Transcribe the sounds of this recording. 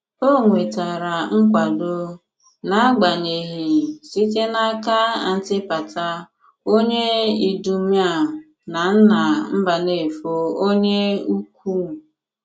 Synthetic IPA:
o˦ŋʷe˨ta˨ɾa˨ŋ̩˦k̬ʷa˨do˨ | na˨a˦ɡ͡ba˨ɲe˨ɦi˨si˦te˦na˦ka˦a˨n̩˦tɪ˦pa˨ta˦ | o˦ɲe˦i˨du˨˦mja˦˨ | na˨n̩˦na˨m̩˦ba˨ne˨fo˦o˦ɲe˦u˦kʷu˦˨

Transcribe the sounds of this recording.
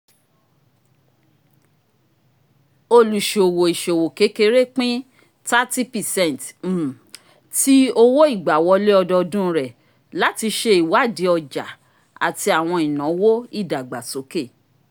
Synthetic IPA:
o˧lu˨ʃe˨o˨wo˨i˨ʃe˨wo˨ke˨˦ke˧˦ɾe˦˨k͡pĩ˦ | ta˦ti˦pi˨sɛ̃˦˨n˨t̩˨ | ti˦o˧wo˦i˦˨ɡ͡ba˨wɔ˧˦le˦ɔ˧dɔ˧dũ˦˧ɾɛ˨ | la˨˦ti˧ʃe˦i˨wa˨˦˨di˧˦ɔ˧d͡ʒa̰˨ | a̰˨ti˧a˨w̃ɔ̃˧i˨nã˨˦wo˦i˦˨da˨ɡ͡ba˨so˨˦ke˦˨

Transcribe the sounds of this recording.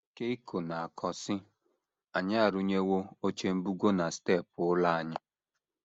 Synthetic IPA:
ke˦i˦ko˨na˨a˨kʰɔ˨sɪ˦ | a˨ɲa˦a˨ɾu˦ɲe˦wo˦o˦t͡ʃe˦m̩˦bu˦ɡo˦na˨ste˦˨p̚ʊ˨ʊ˦la˦a˨ɲɪ˦

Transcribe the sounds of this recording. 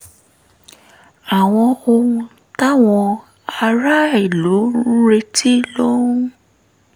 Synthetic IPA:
a˨w̃ɔ̃˧o˧wũ˧ | ta˦w̃ɔ̃˧ | a˧ɾa˦i˦˨lo˨˦ɾe˧ti˦lo˦ũ˦

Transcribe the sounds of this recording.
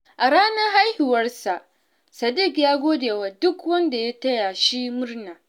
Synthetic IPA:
ʔa˨ɽaː˦nɐ˦rɦa˦jhɪ˨wɐ˦rsa˨ʔ | sɐ˨dɪ˦˨kjaː˦ɡʷoː˦deː˨waː˨dʊ˦kwɐ˦nda˨ja˦tɐ˦ja˨ʃi˦mʊ˦rnaː˨

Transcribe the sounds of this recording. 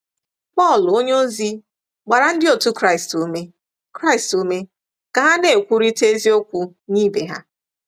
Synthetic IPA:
pɔ˦˨lo˦ɲ˦o˦zi˦ | ɡ͡ba˨ɾa˨n̩˦dɪ˦o˨tu˦kɾa˦ɪ˨stu˨me˦ | kɾa˦ɪ˨stu˦me˦ | ka˨ɦa˦ne˨kʷu˦ɾi˦te˦zi˦o˦kʷu˦ | niː˦be˨ɦa̰˦

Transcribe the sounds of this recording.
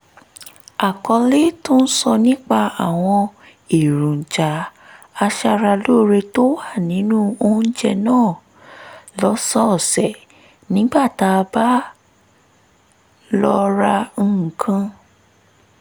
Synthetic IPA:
a˨kɔ˧le˦to˦n̩˦sɔ˧nĩ˦k͡pa˧a˨w̃ɔ̃˧ | e˨ɾũ˨n̩˨d͡ʒa˨˦ | a˧ʃa˧ɾa˧lo˦˨ɾe˧to˦wa˦˨nĩ˨˦nũ˦o˧˦n̩˦d͡ʒɛ˦˧nãː˦˨ | lɔ˨˦sɔ˦˨sɛ˨ | nĩ˨˦ɡ͡ba˦˨ta˧ba˦ | lɔ˧ɾa˧n̩˦˨kʰã˧

